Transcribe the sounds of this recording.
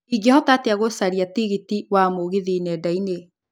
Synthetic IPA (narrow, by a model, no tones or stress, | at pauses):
iɡɛhɔtateaɣosaɾiatiɣitiwamoɣeðinɛdaine